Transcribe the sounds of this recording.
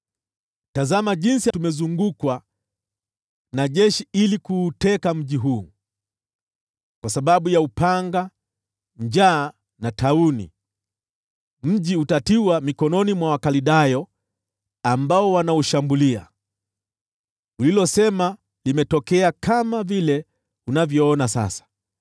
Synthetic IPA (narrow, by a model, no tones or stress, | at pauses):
tazamaʄinsitumɛzuŋɡukwa | naʄɛʃiilikuːtɛkam̩ʄiɦuː | kwasaɓaɓujaupaŋɡa | ɲd͡ʒaː | nataunḭ | m̩ʄiutatiwamikɔnɔnimwawakaliɗajɔ | ambaɔwanauʃambulia̰ | ulilɔsɛma | limɛtɔkɛakamavilɛ | unavjɔɔnasa̰sḁ